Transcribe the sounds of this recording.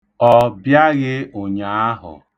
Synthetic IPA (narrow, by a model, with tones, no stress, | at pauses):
ɔ˦˨bja˦ɣɪ˦o˨ɲa˨a˦ɦʊ̰˨